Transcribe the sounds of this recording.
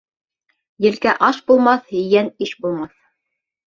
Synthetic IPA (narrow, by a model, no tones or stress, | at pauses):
jɘ̆lkæʔɑʃbulˠmɑθhɘ̆jæniʃbulˠmɑθ